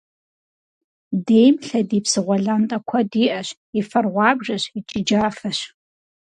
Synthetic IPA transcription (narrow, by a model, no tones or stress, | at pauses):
deːjmɬɐdiːpsɨʁʷɔɮaːntʼɐkʷʰɐdiːʔɐɕ | ifɐrʁʷɑːbʐɐɕit͡ʃʼɪd͡ʒaːfɐɕ